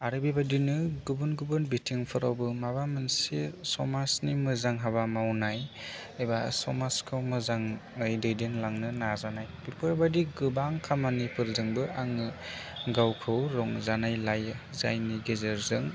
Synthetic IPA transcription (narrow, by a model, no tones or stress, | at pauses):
aɾɯbibadinɯɡubɯnɡubɯnbitʰiŋpʰɯɾawbɯmabamɯnsesɔmasnimɯzaŋɦaβamawnajɯjbasɔmaskʰɯwmɯzaŋɯjdɯjdenlaŋnɯnazanajbiɾkʰɔjbadiɡɯbaŋkʰamanipʰɯɾzɯŋbɯaŋɯɡawkʰɯwɾɔŋzanajlaj | zajniɡezeɾzɯŋ